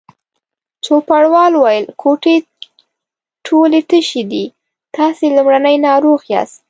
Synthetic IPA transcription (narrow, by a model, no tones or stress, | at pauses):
t͡ʃopaɽwɑlwajəlkʰoʈe | ʈʰolet̪əʃed̪i | t̪ɑselumɽanəjnɑɾoɣjɑ̰st̪